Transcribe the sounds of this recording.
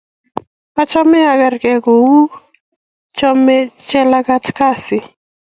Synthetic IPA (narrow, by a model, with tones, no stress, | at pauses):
pa˦t͡ʃɔ˦mɛ˦a˨ɡa˨rkɛ˨ɡo˨wu˦ | t͡ʃɔ˦mɛ˦t͡ʃɛ˦la˦ka˦tka˦sɪ˨